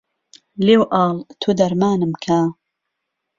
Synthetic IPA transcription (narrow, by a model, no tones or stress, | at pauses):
leːwʔɑːlt̪ʰuːd̪ɐɾmaːnɨmkʰa